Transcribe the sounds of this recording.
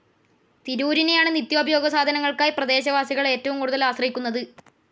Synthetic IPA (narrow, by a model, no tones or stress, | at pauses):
t̪iɾuːɾine̞jaːɳɨnit̪jo̞ːbʱɐjo̞ːɡɐsaːd̪ʱɐnɐŋːɐɭkaːjprɐd̪e̞ːɕɐʋaːsiɣɐɭe̞ːtːɐʋumkuːɽuðɐlaːsrɐɦikʲːunːɐðɨ